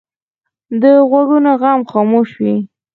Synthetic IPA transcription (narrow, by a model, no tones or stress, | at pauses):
d̪əɣwaɽunoɣamxɑmoʃwi